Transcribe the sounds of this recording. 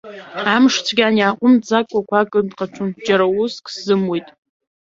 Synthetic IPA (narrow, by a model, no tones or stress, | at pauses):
amʂt͡sʷʰɡʲaniaːqʷʼʊmd͡zakʷʼakʷʰakʼɨndqʼaʈ͡ʂʷʰʊnd͡ʒaɾaʊskʰʼszɨmwojtʼ